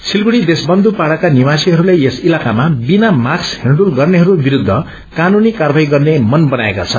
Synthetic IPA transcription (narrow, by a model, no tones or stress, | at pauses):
sʰilɡuɽid̪esbʌnd̪upaɽakanimasiɦʌɾulajesilakamabinamaksɦeɳɖulɡʌrneɦʌɾubiɾud̪ʱːʌ | kanunikarbʱajɡʌrnemʌnbʌnaeka̰t͡sʰʌn